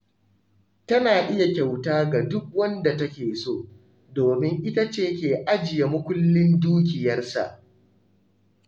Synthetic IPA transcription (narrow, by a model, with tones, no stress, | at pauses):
tɐ˦naː˨ʔɪ˦ja˨kʲa˨wtaː˦ɡa˨dʊ˦k̚wɐ˦nda˨tɐ˦kʲeː˨soː˦ | doː˨mɪ˦ŋʔɪ˦ta˦t͡ʃeː˦kʲeː˨ʔa˦d͡ʒɪ˨ja˨mʊ˦kʷʊ˦lːɪ˦nduː˦k̬ʲɪ˨jɐ˦rsa̰˨ʔ